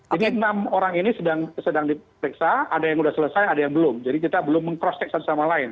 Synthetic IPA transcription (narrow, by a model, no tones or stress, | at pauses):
d͡ʒadiənamoɾaŋinisədaŋsədaŋdipɾiksaadajaŋudahsələsajadajaŋbəlʊmd͡ʒadikit̪abəlʊmːəŋpɾɔst̪ɛk̚sansamalaɪn